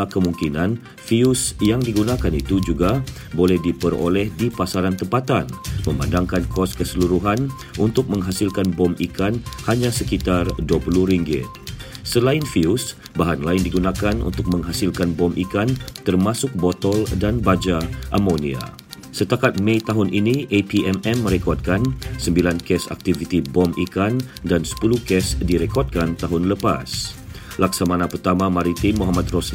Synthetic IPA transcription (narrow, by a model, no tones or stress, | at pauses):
akəmuŋkinãn | fiusjaŋdiɡunãkanit̪ud͡ʒuɡa | bolɛhdipəɾo̰lɛhdipasaɾant̪əmpat̪anmə̃ma̰ndaŋkankʰɔskəsəluɾuɦan | unt̪ʊk̚mə̃ŋɦasilkanbɔmikanhaɲãsəkit̪arduəpəluɾiŋɡɪ̰t̪̚səlaɪnfius | baɦanlaɪndiɡunakanṵnt̪ʊk̚mə̃ŋɦasɪlkanbɔmʔikant̪ərmasʊk̚bɔt̪ɔldanbad͡ʒaʔamonia̰ | sət̪akat̪̚mẽit̪aɦʊnʔiniʔepiɛmɛmːə̃ɾɛkɔrd̚kansəmbilankɛsa̰k̚t̪ivit̪ibɔmikan | dansə̥puluhkɛsdiɾɛkɔrd̚kant̪aɦʊnləpa̰s | laksamanãpərt̪amamaɾit̪imːuɦamat̪̚rɔsli